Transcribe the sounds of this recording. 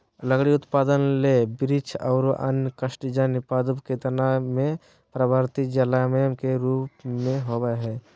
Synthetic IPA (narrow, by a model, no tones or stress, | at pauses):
ləɡɽiʊt̪paːd̪ənlebɪɾit͡ʃʰaʊɾə̰nkəʃʈid͡ʒanɪpaːd̪upket̪namẽ | pɾəbʱaɾt̪id͡ʒəlamemkeɾuːpmẽɦobəɦɛ